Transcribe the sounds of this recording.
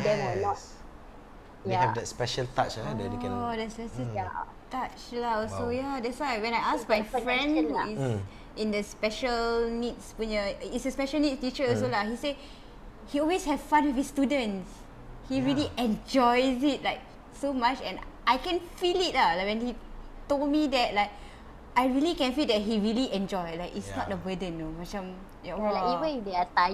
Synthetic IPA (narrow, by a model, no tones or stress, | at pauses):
dɛɔnɔs | iɛvdɛtspɛʃəltat͡ʃadɛ̰tekɛ̃dɛtsɛʃə | tat͡ʃlaɔsojadɛswawɛ̃najʔasmajffɹɛ̃ndhuiz | ʔĩndəspɛʃəlnitspũnəitsəspɛʃəlnitstit͡ʃəɔsolahise | hiɔlweshɛvfãnwifistudə̃ns | hiɹiliʔɛ̃nd͡ʒɔɪzit̚laɪk̚ | somat͡ʃɛ̰̃nʔaɪkɛ̃nfilit̚lalakwɛ̃nhitol̚midɛt̚laɪk̚ | ʔaɪɹilikɛ̃nfildɛt̚hiɹiliʔɛ̃nd͡ʒɔɪlaɪkitsnɔt̚əbədə̃nːomat͡ʃãm | jɛlaivə̃ndeata